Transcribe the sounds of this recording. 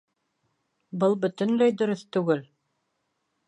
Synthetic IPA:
bɤlˠbɵ̆t̪ɵ̆nlæjd̪ɵ̆ɾɵθt̪ʉɡɘl

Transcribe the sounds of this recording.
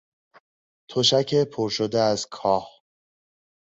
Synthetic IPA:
t̪ʰoʃæcʰepʰoɾʃod̪eæzkʰɒːh

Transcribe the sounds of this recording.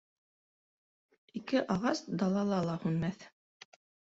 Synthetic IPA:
ikɘʔɑʁɑsd̪ɑlˠɑlˠɑlˠɑhʉnmæθ

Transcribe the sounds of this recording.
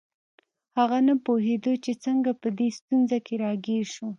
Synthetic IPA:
haɣanapoɦed̪ot͡ʃet͡səŋɡapəd̪est̪unzakeɾɑɡiɾʃu

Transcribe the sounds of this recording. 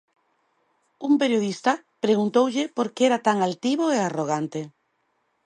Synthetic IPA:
umpeɾjoð̞ist̪a | pɾeɣunt̪owʎɪpoɾkeɛɾat̪aŋalt̪iβoearoɣ̞ant̪e

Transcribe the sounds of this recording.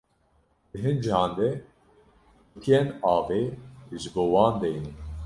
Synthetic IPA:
d̪̥ɨɦɨnd͡ʒihɑ̃ːnd̪ɛ | bɨt̪ʰijɛnɑːveːʒɨboːwɑːnd̪ɛjnɛ

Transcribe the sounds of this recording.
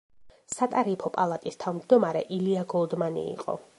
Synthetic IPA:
sat̪ʼaɾipʰɔpʼalˠat̪ʼist̪ʰavmd͡ʒd̪ɔmaɾɛ̰ʔiliaɡɔlˠd̪manḭḭqʼɔ̰

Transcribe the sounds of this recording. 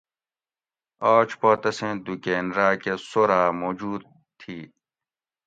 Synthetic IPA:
aːt͡ʃpoːt̪ɐsẽːd̪ukeːnɾaːkesoːɾaːmoːd͡ʑuːd̪̚ | t̪ʰiː

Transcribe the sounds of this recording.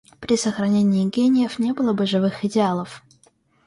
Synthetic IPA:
pɾʲɪsəxɾɐnʲenʲɪːɡʲenʲɪjəfnʲe̞bɨlˠəbɨʐɨvɨxɪdʲɪalˠəf

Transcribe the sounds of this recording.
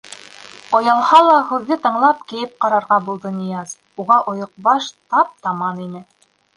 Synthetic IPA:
ŏjɑlˠhɑlˠɑhʉðːɘt̪ɤ̆ɴlˠɑp̚kijɘp̚qɑɾɑɾʁɑbulˠd̪ɤnĭjɑz | uʁɑʔŏjŏq̚bɑʃt̪ɑp̚t̪ɑmɑninɘ

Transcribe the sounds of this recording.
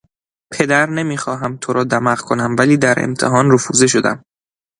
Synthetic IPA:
pʰe̞d̪æɾne̞miːxɒːɦæmt̪ʰoɾɒːd̪æmæɣkʰo̞næmvæliːd̪æɾʔḛmt̪ʰeɦɒːnɾofuːzeʃ̬o̞d̪æ̰m

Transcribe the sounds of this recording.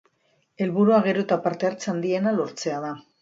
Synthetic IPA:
e̞lβuɾuaɣ̞e̞ɾot̪apaɾt̪e̞aɾt͡seand̪ie̞nalo̞ɾt͡se̞að̞a

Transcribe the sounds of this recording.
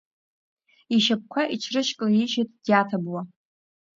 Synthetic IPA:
iʃap̚kʷʰaʔit͡ʃʰrɨʃkʼlajiʒɪtʰʼdjatʰabwa

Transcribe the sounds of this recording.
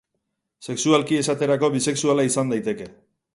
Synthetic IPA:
se̞ksualkie̞sat̪e̞ɾako̞βise̞ksualaisand̪ajt̪e̞ke̞

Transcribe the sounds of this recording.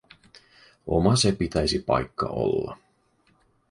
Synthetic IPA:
o̞mɑse̞pit̪æjsipɑ̰jkːɑ̰ʔo̞̰lːɑ̰

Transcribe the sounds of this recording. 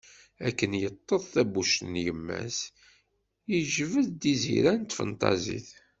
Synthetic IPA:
ækːənjət̪ˤːəðˤθæbuʃt̪njəmːæ̰s | iʒvəðd̪izḭɾænt̪fə̰nt̪ˤɑ̰zḭθ

